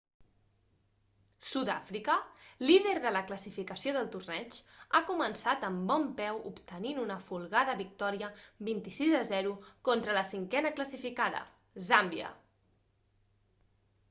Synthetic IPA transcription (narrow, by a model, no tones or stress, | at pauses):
suða̰fɾikəliðəɾðələkləsifikəsioðəlˠt̪urnɛt͡ʃakumənsat̪əmbɔmpɛwupt̪əninunəfulˠɣaðəβik̚t̪ɔɾiəbint̪isizəzɛɾukont̪ɾələsiŋkɛnəkləsifikaðə̰ | zambjə̰